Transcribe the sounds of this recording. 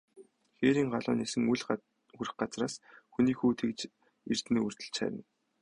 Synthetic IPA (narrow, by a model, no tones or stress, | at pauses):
xeːɾiːŋɢaɮʊ̰ːnisɘ̆ŋuɮ | uɾɘ̆χɢat͡sraːsxuniːxuːt̪ʰekt͡ɕ | ir̥t̪niːur̥t̪ɘ̆t͡ɕχæ̰ːɾʲə̆n